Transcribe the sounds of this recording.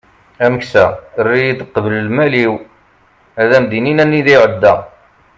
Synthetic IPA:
æməksærːijid̪əqːvələlmæliw | æðæmd̪ininænːiðæjʕəd̪ːæ

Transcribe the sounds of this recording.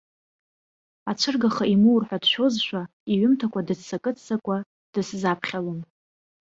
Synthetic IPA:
at͡ʃʷʰɨrɡaχaimuwrħʷᶣadʃʷo̞zʃʷa | iɥʏmtʰakʷʰʼadɨzsakʼɨt͡sʰʼt͡sakʷʼa | d̥ɨszapʰχʲalom

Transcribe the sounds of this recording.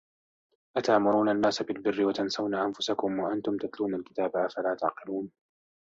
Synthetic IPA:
ʔat̪aʕmʊɾuːnanːaːsabɪlbɪrːɪwat̪ansawnaːʔanfʊsakʊmwaʔant̪ʊmt̪at̪luːnalkɪ̥t̪aːbaʔafalaːt̪aʕqɪluːn

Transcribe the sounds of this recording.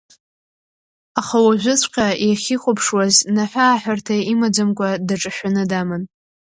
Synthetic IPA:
aχawaʒᶣʷʊt͡sʷʰqʲʼajaχʲiχʷʼʊpʰʂwaznaħʷᶣaːħᶣartʰaimad͡zamkʷʼadaʈ͡ʂʼɨʃʷᶣanɨdamɨn

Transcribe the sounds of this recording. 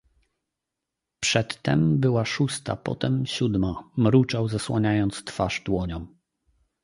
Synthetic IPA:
pʂɛt̪ːɛmbɘwaʂust̪a̰pɔ̰t̪ɛmɕud̪mamɾut͡ʂawzaswaɲajɔnt̪st̪faʐd̪wɔɲɔ̃m

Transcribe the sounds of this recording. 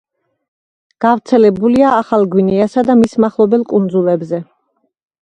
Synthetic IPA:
ɡ̥avt̪sʰɛlɛbuliaːχalˠɡwinɛasad̪amismaχlˠɔbɛlˠkʼund̪zulˠɛbzɛ

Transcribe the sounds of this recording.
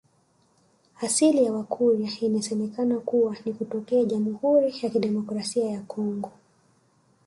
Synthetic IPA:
asilijawakʰuɾjainasɛmɛkanakuwanikutɔkɛaʄamuhuɾijakiɗɛmɔkɾasiajakɔŋɡɔ

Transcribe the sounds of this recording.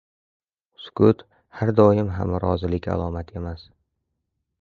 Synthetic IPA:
skʰʊt̪ | haɾd̪ɒjɪmɦa̰mɾɒzɪlɪkʲa̰lˠɒmat̪ʰe̞mas

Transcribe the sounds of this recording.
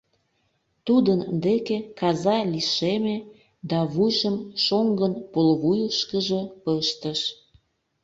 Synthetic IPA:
t̪ud̪ənd̪ekekɑzɑliʃeme | d̪ɑβujʒəmʃoŋɡənpolβujəʃkəʒəpəʃt̪əʃ

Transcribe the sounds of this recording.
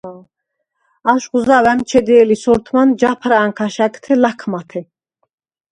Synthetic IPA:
aʃχuzawɛmt͡ʃʰɛd̪ɛːlisɔɾt̪ʰmand͡ʒapʰɾaːŋkʰaʃakʼt̪ʰɛlakʰmat̪ʰɛ

